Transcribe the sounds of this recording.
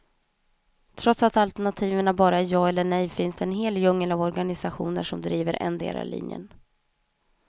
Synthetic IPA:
t̪ʰɾɔt̪sat̪alt̪ɛɳat̪ʰiːvəɳabɑːɾaæjɑːɛlːəɳɛjfɪnsd̪ɛːnɦeːljɵŋːəlavɔɾɡanɪsaɧuːnə̰ʂɔmd̪ɾiːvəɾʔɛ̰nd̪ḛːla̰lʔḭnjə̰n

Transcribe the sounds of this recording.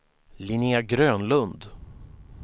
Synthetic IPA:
lɪniaɡɾøːnlɵnd̪

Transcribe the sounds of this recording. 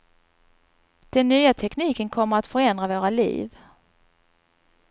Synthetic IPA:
d̪̥ɛnːyːat̪ʰɛkniːkənkʰɔmːəɾat̪fœɾɛnd̪ɾavoːɾalḭːv

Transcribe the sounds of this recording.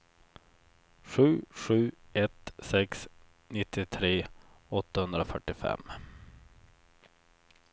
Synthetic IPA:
ɧʉ̟ːɧʉ̟ːɛt̪sɛks | nɪt̪ʰːɪt̪ʰɾeː | ɔt̪ːahɵnd̪ɾafœʈːɪfɛ̰mː

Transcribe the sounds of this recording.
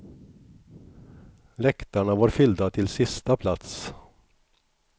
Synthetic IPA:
lɛkt̪aɳavaːɾfʏld̪at̪ʰɪlsɪst̪apʰlat̪s

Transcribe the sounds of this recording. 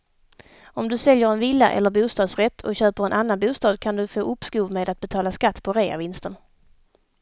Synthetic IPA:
ɔmd̪ɵsɛljəɾɛnvɪlːaʔɛ̰lːəɾbuːst̪ɑːd̪sɾɛt̪ʰːɔ̰ɕøːpəɾɛnʔanːanbuːst̪ɑːd̪kʰand̪ɵfoːʔɵpskuːvmeːd̪at̪̚bɛt̪ʰɑːlaskat̪ːpʰɔɾeːa̰vɪnst̪ən

